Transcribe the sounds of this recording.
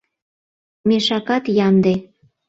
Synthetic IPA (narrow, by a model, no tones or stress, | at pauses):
meʃɑkɑt̪jɑmd̪e